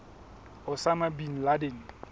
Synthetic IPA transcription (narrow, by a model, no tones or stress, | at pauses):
ʊsamabin̩ladɪn̩